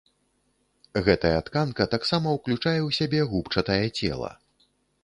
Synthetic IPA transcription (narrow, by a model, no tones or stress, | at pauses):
ɣɛt̪ɐjɐt̪kankɐt̪aksamɐwklʲut͡ʂajɛwsʲabʲɛɣupt͡ʂɐt̪ɐjɐt͡sʲɛ̰lˠɐ̰